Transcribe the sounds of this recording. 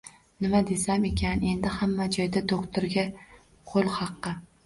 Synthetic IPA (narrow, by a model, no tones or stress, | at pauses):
nɪmad̪e̞same̞kʲʰane̞nd̪ɪhamːad͡ʒɒjd̪ad̪okt̪ʰoɾɡʲa | qʰolˠhɑqːɨ